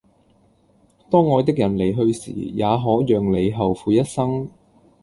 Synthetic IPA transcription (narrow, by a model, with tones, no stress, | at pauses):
t̪ɔː˥ŋːɔː˨˧t̪ɪ˥k̚jɐ˨˩nle˨˩jɦɵ˧ɥsḭː˨˩jaː˨˧ɦɔː˨˥jœː˨ŋle˨˧jɦɐ˨wfuː˨˧jɐ˥t̚sɐ˥ŋ